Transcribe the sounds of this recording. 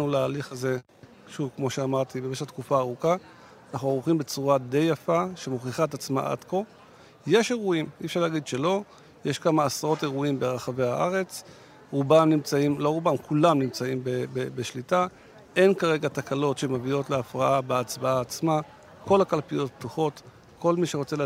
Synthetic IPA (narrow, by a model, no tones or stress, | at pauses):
nulaːliχaze̞ | ʃuvkmo̞ʃeamaʁt̪ibemeʃat̪kufaːʁuka | anaχnuaʁuχimbe̞t͡suʁad̪e̞jafaʃe̞moχiχaet̪at͡sma̰ʔa̰d̪ko̞ | je̞ʃe̞ʁuimḭefʃaʁleaɡid̪ʃe̞lo̞ | je̞ʃkamaːsaʁo̞t̪e̞ʁuimbeʁaχave̞haʔaʁe̞t͡s | ʁubamnimt͡saimlo̞ʁubamkulamnimt͡saimbebebeʃlita | e̞nkaʁe̞ɡat̪akalo̞tʃe̞mavio̞tleafʁaabeat͡sbaaːt͡sma | kʰo̞lhakalpijo̞t̚bt̪uχo̞t̪ | ko̞lmiʃeʁot͡sel